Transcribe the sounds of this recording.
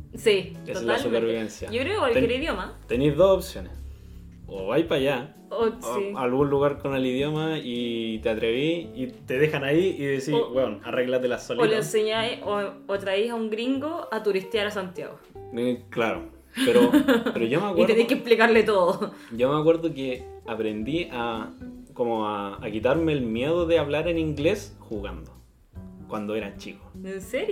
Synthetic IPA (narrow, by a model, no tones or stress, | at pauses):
sieoellalsupeɾβiβensjajokɾeokekwalkjeɾiðjomat̪enizðosopsjones | oβajpaʝa | oialɣunluɣaɾkoneliðjomait̪eat̪ɾeβiit̪eðexanaiiðesiwewnareɣlaðelasololeenseɲajoot̪ɾaijɦauŋɡɾiŋɡoat̪uɾist̪jaɾasant̪ja̰ɣoklaɾo̰ | peɾopeɾoʝomeakwitɾenejkehplikaɾlet̪oðoɟ͡ʝomeakweɾðokeapɾend̪iakomoaːkit̪aɾmeːlmje̞ðoðeaβlaɾeniŋɡlesxuɣand̪o | kwand̪oeɾant͡ʃikoenseɾjo